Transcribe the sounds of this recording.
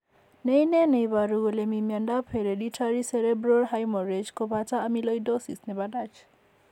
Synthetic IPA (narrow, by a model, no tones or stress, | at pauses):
nejnenejbaɾuɡolemimjanɖapʰeɾeɖiʈʰaɾiseɾebɾɔrɦajmɔɾed͡ʒkobʱat͡saːmilʌjdosisnebaɖad͡ʒʰ